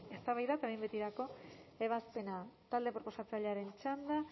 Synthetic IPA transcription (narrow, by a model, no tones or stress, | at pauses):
e̞st̪aβajðat̪aɾejmbe̞t̪iɾako̞e̞β̞aspe̞nat̪ald̪e̞pɾo̞po̞sat͡saʎaɾe̞nt͡ʃand̪a